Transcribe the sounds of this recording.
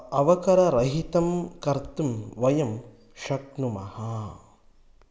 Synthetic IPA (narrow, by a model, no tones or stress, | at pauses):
ɐʋɐkɐɾɐɾɐɦit̪ɐmkɐɾt̪umʋɐjɐm | ʃɐknumɐ̰hɐ